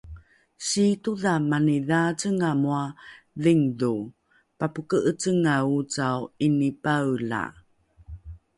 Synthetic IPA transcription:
ɕituðamaniðat͡səŋamua | ðiŋdu | papukəʔət͡səŋaut͡sawinipawla̰

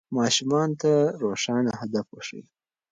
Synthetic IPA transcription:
mɑːʃumɑnt̪aɾoʂɑnahad̪afwəʂḭj

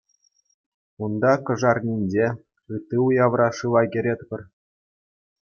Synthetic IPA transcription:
und̪ɑkɤ̆ʐɑrnʲinʲd͡ʑe | ɯt̪ːɯujɑʋrɑʂɯlˠɑɡʲĕɾʲet̪ʲpʲɘ̆r

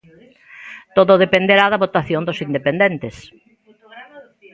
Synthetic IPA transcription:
t̪oðoðepend̪eɾaðɐβot̪aθjond̪osind̪epend̪ent̪ɪs

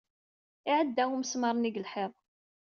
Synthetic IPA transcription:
ɪʕəd̪ːæwuməsmɑɾˤniɡəlħɪðˤ

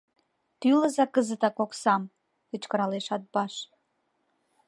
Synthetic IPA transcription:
t̪yləzɑkəzət̪ɑkoksɑm | ət͡ɕkəɾɑleʃɑt̪̚bɑʃ

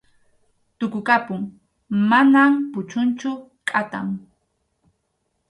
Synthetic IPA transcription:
t̪ʊkʊkapʊŋ | manampʊt͡ʃʊnt͡ʃʊ | kʼat̪aŋ

